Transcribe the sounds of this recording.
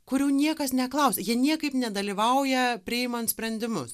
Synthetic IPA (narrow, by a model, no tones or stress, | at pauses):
kʊɾʲɛʊnʲiɛkɐsnʲɛklˠɐʊsʲɛjiɛnʲiɛkɐɪpnʲɛd̪ɐlʲiːʋɐʊjɛpʲɾʲɪɪmɐnt̪sʲpʲɾʲɛnʲd̪ʲɪmʊs